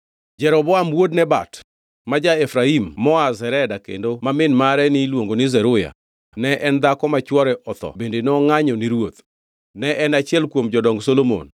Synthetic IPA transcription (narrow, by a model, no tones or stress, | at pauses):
d͡ʒɛɾɔbɔamwodnɛba̰t | mad͡ʒaefɾaimːɔazɛɾɛdakḛndomamɪnmaɾɛnɪlwoŋɡonɪzɛɾʊja̰ | nɛʔɛnd̪akɔmat͡ʃwɔɾɛʔɔt̪ɔ̰bendenɔŋaɲɔniɾwot̪ | nɛʔɛnat͡ʃɪɛlkwomd͡ʒɔdɔŋɡsolomo̰n